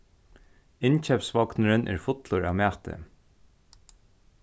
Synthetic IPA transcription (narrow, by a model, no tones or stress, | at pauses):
ɪnt͡ʃʰɛpsvɔknəɾɪnʔɛ̰ɾfʊt̪lʊɹa̰ʋmæːt̪ɪ̰